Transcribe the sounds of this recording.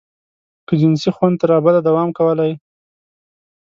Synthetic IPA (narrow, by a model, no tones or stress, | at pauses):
kəd͡ʒɪnsixwand̪̚t̪aɾɑbad̪ad̪awɑmkawəlaj